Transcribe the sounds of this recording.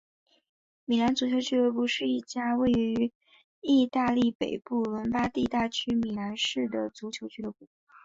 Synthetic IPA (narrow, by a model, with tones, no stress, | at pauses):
mi˨˩la˧˥nt͡su˧˥t͡ɕʰjo˧˥ʊt͡ɕʰy˥lə˧pu˥˧ʂɻ̩˥˧i˥˩t͡ɕja˥we˥˩ɪy˧˥ | i˥˧t̪a˥˧li˥˩pe˨˩ɪpu˥˩lwə˧˥npa˥t̪i˥˧t̪a˥˩t͡ɕʰy˥mi˨˩la˧˥nʂɻ̩˥˩d̪ə˩t͡su˧˥t͡ɕʰjo˧˥ʊt͡ɕʰy˥lə˧˥pu˥˩